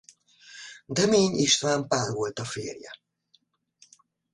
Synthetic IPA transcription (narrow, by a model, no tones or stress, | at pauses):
d̪ɛmeːɲiʃt̪ʋaːmpaːrvo̞lt̪ɒfeːrjɛ̰